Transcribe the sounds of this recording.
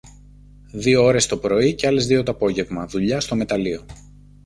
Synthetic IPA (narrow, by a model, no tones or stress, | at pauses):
ðio̞o̞ɾe̞st̪o̞pɾo̞iceɐle̞zðiot̪oɐpo̞ʝe̞vmɐðuʎɐst̪o̞me̞t̪ɐlio̞